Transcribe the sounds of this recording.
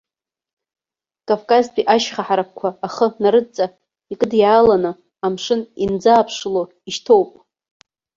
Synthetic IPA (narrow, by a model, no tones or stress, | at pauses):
kʼavkʼazpʼiʔaʃχaħaɾak̚ʰʷkʷʰaːχənaɾɨt͡sʼa | ikʼɨdjaːlanɨ | amʂɨnind͡zaːpʰʂlo | iʃtʰo̞wpʼ